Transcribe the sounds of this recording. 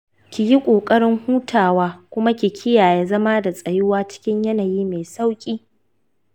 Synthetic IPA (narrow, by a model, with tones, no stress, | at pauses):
kʲi˨ji˦kʷʼoː˨kʼɐ˦ɽɪ˦ŋhuː˦tʰaː˨waː˦kʷʊ˦ma˦kʲi˨kʲʰɪ˦jaː˨je˦zɐ˦ma˦da˨sʼɐ˨jʊ˦waː˦t͡ʃɪ̥˦kʲɪ˦ɲjɐ˦naː˨jiː˦me˨sa˦wkʲʼiː˦